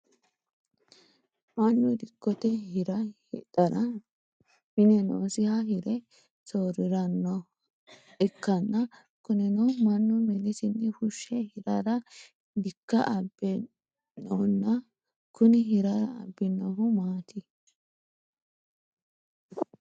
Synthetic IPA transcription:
mɐnːʊd̪ɪkːɔt̪ɛhɪɾɐhɪ̰tɐɾɐ | mɪnɛno̰ːsɪhɐhɪɾɛ | soːɾɪɾɐnːɐ | ʔɪkːɐnːɐ | kʊnɛnɔmɐnːʊmɛnɪsɪnːɪhʊʃːɛhɪɾɐɾɐ | d̪ɪkːɐʔɐbːɛ | nɔnːɐ | kʊnɪɦɪɾɐɾɐ̰ːbːɪnːɔɦʊmaːt̪ɪ

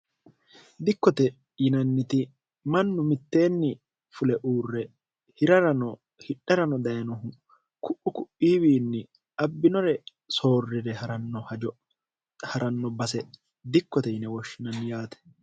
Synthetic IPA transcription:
d̪ɪkːɔt̪ɛ | jɪnɐnːɪt̪ɪ | mɐnːʊmɪt̪ːe̞ːnːɪ | fʊlɛʔuːrːɛ | hɪɾɐɾɐnɔ | hɪᶑɐɾɐnɔd̪ɐjɐnɔɦʊ | kʊʔʊkʊʔiːwiːnːɪ | ʔɐbːɪnɔɾɛ | so̞ːrːɪɾɛhɐɾɐnːɔhɐd͡ʒɔ | hɐɾɐnːɔbɐsɛ | d̪ɪkːɔt̪ɛjɪnɛwɔʃːɪnɐnːɪjaːt̪ɛ̥

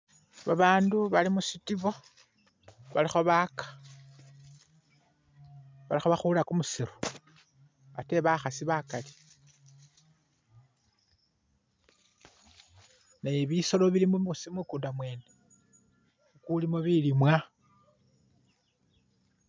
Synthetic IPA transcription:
βaβaːnduβalimuʃitiβo | βalixo̞βakḁ | βalixoβaxulakumusiɾu̥ | βate̞βaxasiβakali̥ | najeβiso̞lo̞βilimousimukuːndamwe̞ːne | ukulimoβilimwa

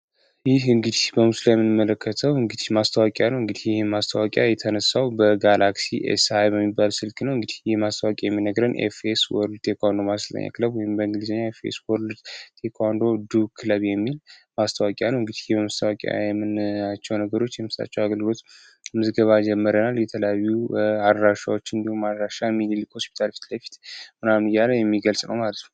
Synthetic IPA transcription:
jɪɦɨŋɡɨd̪ihbəmuslajɛmːɨnɨmːələkʰːət̪ʰəwɨŋɡɨd̪ihmast̪ʰəwakʼjanəwɨŋɡɨd̪ihjɪhemast̪ʰəwakʼja̰jɛt̪ʰənəsːawbəɡalaksiʔḛsajbəmːibalsɨlkʼnəwɨŋɡɨd̪ihjɛmast̪ʰəwakʼijɛmːinəɡɾənʔḛfeswɔɾlt̪ʰekʰʷand̪o̞mast̪ʰə̰ɲːa̰kləbwɔjɪmbəɨŋɡɨlizəɲːaefḛswɔɾld̪t̪ʰekʰand̪o̞d̪ukʰɨləβjɛmːilmast̪ʰawakʼjanəwɨŋɡɨd̪ihjɛbəmast̪ʰawakʼa̰jɛmːɨnat͡ʃːɛwnəɡəɾo̞t͡ʃːjɛmɨsa̰t͡ʃːɛwaɡəlɡɨlo̞t̪ | mɨzɡəβad͡ʒɛmːəɾənaljɛt̪ʰələjajuad̪ɾaʃawot͡ʃːɨnd̪ihumːad̪ɾaʃamililkhospi̥t̪ʰalfi̥t̪lajfi̥t̪mɨnamɨjaləjɛmːiɡəlsʼnə̰wmalət̪nəww

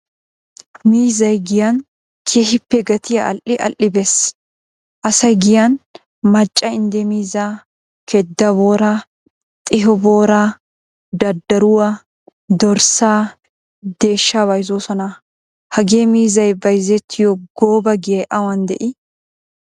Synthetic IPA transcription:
miːzɐjɡɪjɐn | kʰehɪpːɛɡɐt̪ɪjɐʔɐ̰lʔɪʔɐ̰lʔɪbes | ʔɐsɐjɡɪjɐn | mɐt͡ʃʼːɐɪnd̪ɛmiːzaː | kʰɛd̪ːɐboːɾɐ | t̪ʼɪɦɔboːɾa | d̪ɐd̪ːɐɾʊwɐ | d̪ɔɾsaː | d̪eːʃːaːbɐjzoːsɔnɐ | hɐɡe̞ːmiːzɐjbɐjzɛt̪ʰːɪjɔɡoːbɐɡɪɐʔɐwɐnd̪ɛʔɪ

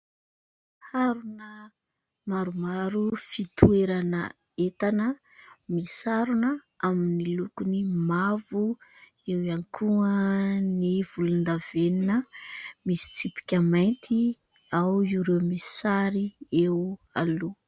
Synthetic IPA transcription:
haɾunə | maɾumaɾufit̪ʰueɾanə | et̪anə | misaɾunə | aminilukunimavu | ewiankʰuəniv̥ulund̪aveninəmisi̥t͡sipi̥kʲəmajnt̪ʰi | awiuɾewmisi̥saɾie | alu

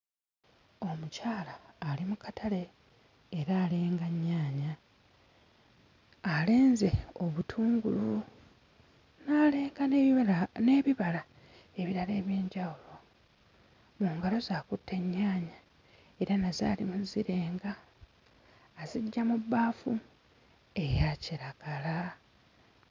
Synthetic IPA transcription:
o̞mucaːlaːlimukatʰale̞ː | ɾaːle̞ːŋɡaɲːaːɲa | le̞ːnze̞o̞βutʰuːŋɡulu | naleːŋɡa | ne̞βiβala | e̞βiɾale̞ːβjeːɲɟawulo̞ | muːŋɡalo̞zaːkutʰːe̞ɲːaːɲa | e̞ɾanaza̰ːlḭmuziɾe̞ːŋɡa | ziɟːamubːaːfu | e̞jaciɾaɡ̥ala

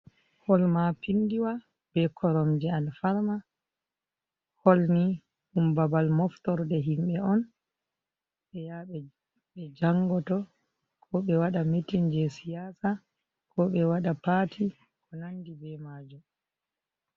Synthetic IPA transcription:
hɔlmapindiwa | b̥ɛkʰɔɾɔmd͡ʒɛalfaɾma | hɔlni | ʔumbabalmɔftɔɾdɛɦimɓɛɔn | ɓɛjaɓɛ | ɓɛd͡ʒaŋɡɔtɔ | kʰɔɓɛwaɗametind͡ʒɛsijaːsa | kɔɓɛwaɗapaːtʰi | kɔnandibɛmaːd͡ʒum

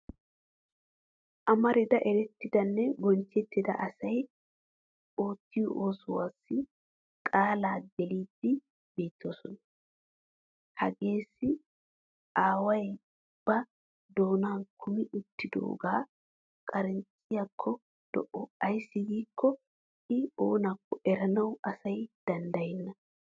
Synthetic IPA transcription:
ʔɐmɐɾɪd̪ɐʔɛɾɛt̪ːɪd̪ɐnːɛɡɔnt͡ʃːɛt̪ːɪd̪ɐ̰ʔɐsɐj | o̞ːt̪ːɪjɔ̰ʔoːsɔwaːsːɪ | kʼaːlaːd̪ɛliːd̪ːɪ | be̞ːt̪ːoːsɔnɐ | hɐɡe̞ːsːɪ | ʔaːwɐj | b̥ɐ | d̪o̞ːnaːnkʰʊmɪʔʊt̪ːɪd̪o̰ːɡaː | kʼɐɾɛnt͡sʼːɪjakʰːɔ | d̪̥ɔ̰ʔɔɐjsːɪɡiːkʰːɔ | ʔɪoːnɐkːɔʔɛɾɐnɐwɐsɐjd̪̥ɐnd̪ɐjɛnːɐ

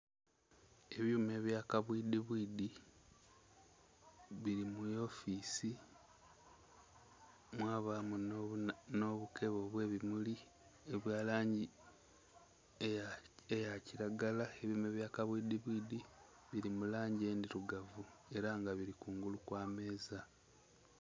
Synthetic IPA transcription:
e̞βjume̞ːβjaːkaβwidiβwiːdi | βiɾimujo̞fiːsi | mwaːβamunno̞βukʰe̞βo̞ːβwe̞ːβimuli | eβjaːlaːɲɟi | eejaciɾaɡalae̞βjuːme̞βjaːkaβwidiβwiːdi | βiɾimulaːɲɟe̞ːndiɾuɡavue̞ɾaŋɡaβiɾikuːŋɡulukwaːme̞ːza

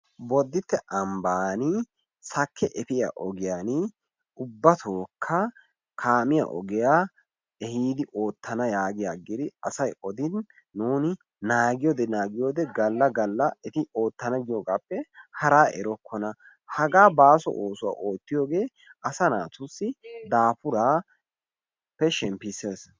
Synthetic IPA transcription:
bɔd̪ːɪt̪ːɛʔɐmbaːnɪ | sɐkʰːɛʔɛpɪja̰ʔɔɡɪjaːnɪ | ʊbːɐt̪ʰoːkʰːɐ | kʰaːmɪja̰ʔɔ̰ɡɪjaː | ɛhiːd̪ɪʔo̞ːt̪ːɐnɐjaːɡɪjaːɡɪd̪ɪɐsɐjɔd̪ɪnː | uːnɪ | naːɡɪjɔd̪ɛnaːɡɪjoːd̪ɛɡɐlːɐɡɐlːɐɛt̪ɪo̞ːt̪ːɐnɐɡɪjoɡaːpːɛhɐɾaːʔɛ̰ɾɔkʰːɔnɐ | hɐɡaːbaːsɔ̰ʔoːsʊwa̰ːʔoːt̪ːɪjoːɡe̞ː | ʔɐsɐnaːt̪ʊsːɪd̪aːpʊɾaː | pːɛʃɛmpːɪsːeːs

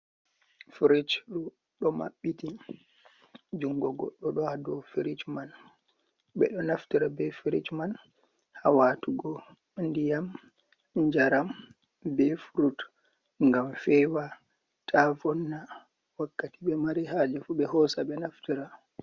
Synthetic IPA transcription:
fɾit͡ʃɾu | ɗɔma̰ɓːiti | d͡ʒuŋɡɔɡɔ̰ɗːɔɗɔhadɔfiɾit͡ʃman | ɓɛ̰ɗɔnaftiɾabɛfiɾit͡ʃman | ha̰waːtuɡɔ | ndijam | ɲd͡ʒaɾam | bɛfuɾut | ŋɡamfɛwa | tʰafɔnːa | wakːatiɓɛmaɾihad͡ʒɛfuɓɛhɔsaɓɛnaftiɾa

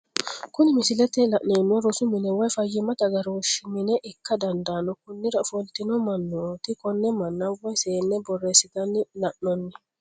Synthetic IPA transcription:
kʊnɪmɪsɪlɛt̪ɛlɐʔneːnɔɾɔsʊmɪnɛwɐjfɐjːɪmɐt̪ɐɡɐɾoːʃɪmɪnɛʔɪkːɐd̪ɐnd̪aːnɔkʊnːɪɾɐfɔlt̪ɪnɔmɐnːot̪ɪkʼɔnːɛmɐnːɐwɐjseːnːɛbɔrːeːsɪd̪ɐnːɪlɐʔnɔnːɛ

